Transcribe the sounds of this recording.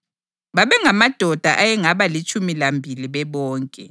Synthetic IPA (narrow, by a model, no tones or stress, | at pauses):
βaβɛŋamad̥ʱɔd̥ʱaʔajɛŋaβalit͡ʃʼumilambʱiliβɛβɔːŋkʼɛ